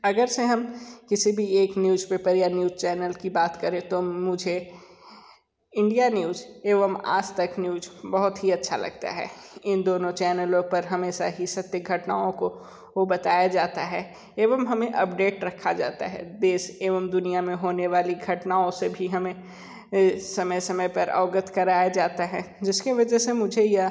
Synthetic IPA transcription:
ɐɡəɾseɦɐmkɪsibʱieːknjuːzpeːpəɾjanjuːzt͡ʃɛːnəlkibaːt̪kɐɾẽt̪omʊd͡ʒʱe | ɪ̃ɳɖijanjuːzeːʋəma̰ːd͡ʒt̪ɐknjuːzbɐɦʊt̪ɦiɐtːʃʰa̰lɐ̰ɡ̚t̪a̰ɦɛ̰ːɪ̃nd̪oːnõt͡ʃɛːnəlõpɐɾɦɐmeːsaɦisɐt̪jəɡʱɐʈna̰ːõko | obɐt̪aːjad͡ʒaːt̪aɦɛ | eːʋəmɦɐmẽʔɐpɖeːʈɾɐkʰad͡ʒaːt̪a̰ɦɛ̰d̪eːseːʋəmd̪ʊnijamẽɦoːneʋaːliɡʱɐʈnaːõsebʱiɦɐmẽ | sɐməjsɐməjpɐɾʔa̰ːɡət̪ʰkɐɾaːjad͡ʒaːt̪aɦɛ | d͡ʒɪskeʋɐd͡ʒɛsemʊd͡ʒʱejɐ

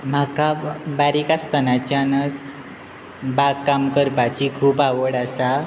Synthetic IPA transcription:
m̤akabaɾikast̪ʰənat͡ɕjanət͡s | baɡkːamkəɾpat͡ɕikʰuːpaʋəɽasa

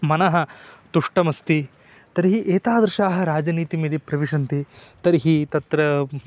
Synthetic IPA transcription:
mɐnɐɦɐt̪uʂʈɐmɐst̪i | t̪ɐɾiɦiʔeːt̪aːd̪ɾʂaːɦɐɾaːd͡ʒɐniːt̪imeːd̪ipɾɐʋiʂɐnt̪it̪ɐɾiɦit̪ɐt̪ɾɐ

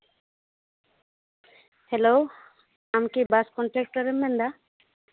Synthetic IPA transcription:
helo | amkibaskɔɳʈɾek̚ʈaɾemːend̪a

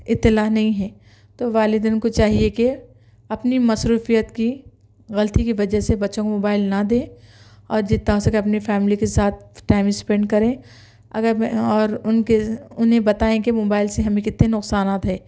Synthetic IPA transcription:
ɪt̪ːɪlaːɦnɐɦĩɦɛː | t̪oʋaːlɪd̪ɪnkot͡ʃaːɦieke | ɐpnimɐsɾuːfijət̪ki | ɣɐlət̪ikiʋɐd͡ʒəɦsebɐtːʃõkomoːbaːɪlnad̪ẽː | ɔːɾd͡ʒɪt̪ːaosekeɐpnifɛːmɪlikesaːt̪̚ʰʈaːɪmɪspɛ̃ːɳɖkɐɾẽː | ɐ̰ɡəɾɔːɾʊnkeʊnɦẽbɐt̪aːẽkemoːbaːɪlseɦɐmẽkɪt̪nenʊqsaːnaːt̪ɦɛː

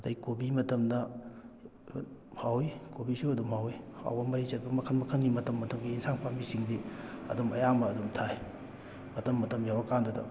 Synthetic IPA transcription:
ɐdɐjkobimɐtɐmdɐ | hawikobisoɐdumhawiha̰wbɐmɐɾit͡ʃɐt̚bɐmɐkʰɐnmɐkʰɐnɡimɐtɐmːɐtɐmɡiinsaŋpʰamisiŋdiɐ̰dumɐjamɐːdumtʰaj | mɐtɐmːɐtɐmjawɐkandɐdɐ

